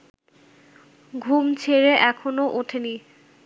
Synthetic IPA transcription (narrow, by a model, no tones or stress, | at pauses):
ɡʱumt͡ɕʰeɾeʔɛkʰonoʔoʈʰeni